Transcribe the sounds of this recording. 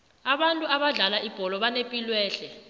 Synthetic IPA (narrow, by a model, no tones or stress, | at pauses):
aɓantʼuaɓaɮalaib̥ʱɔlɔɓanepʼilwɛːɬɛ